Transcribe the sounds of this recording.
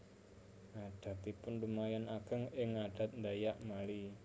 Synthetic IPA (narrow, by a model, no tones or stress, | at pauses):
aɖ̥a̤t̪ipʊndumajanaɡ̥ə̤ŋɪŋaɖ̥a̤t̪̚nd̪ajaʔmali